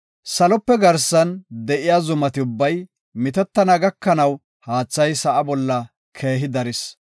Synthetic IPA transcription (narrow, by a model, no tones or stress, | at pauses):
sɐlɔpːɛɡɐɾsɐnd̪ɛʔɪjaːzʊmɐt̪ɪʊbːɐj | mɪt̪ɛt̪ːɐnɐɡɐkːɐnɐw | haːt͡sːɐjsɐʔɐbɔlːɐ | kʰe̞ːɦɪd̪ɐɾɪs